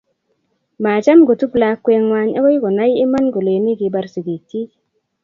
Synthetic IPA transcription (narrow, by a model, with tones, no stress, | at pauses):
ma˨t͡ʃa˦mɡo˨tu˦bla˧kːwe˧ŋwa˧˦ɲa˦ko˦jɡo˨na˦ji˦ma˦nɡo˨le˨ni˦ɡi˨ba˧ɾsi˨ɡi˨ti˦